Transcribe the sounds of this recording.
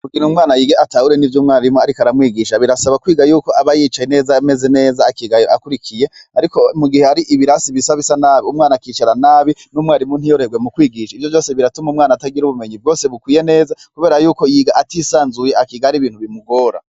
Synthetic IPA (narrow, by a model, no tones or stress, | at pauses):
ukinumŋaːnajiːɡeatahuɾe̞nivjumŋaːnaɾimuaɾikoaɾamwiːɡiʃaβiɾasaβakwiːɡajuːko̞ʔaβajit͡ʃajene̞ːzame̞ze̞ne̞ːzaːkiɡajoʔakuɾikʰije̞aɾiko̞muɡihe̞aɾiʔiβiɾasiβisaβisanaːβiumŋaːnakiːt͡ʃaɾanaːβinumŋaːɾimun̥hijoɾheɡwe̞mukwiːɡiʃaivjo̞vjo̞ːse̞βiɾatumuːmŋaːnataɡiɾuβume̞ɲivɡo̞ːse̞βukwiːje̞ne̞ːzakuβe̞ːɾajuːko̞jiːɡaʔatisaːnzuje̞akiɡaɾiβiːn̥huβimuɡo̞ːɾa̰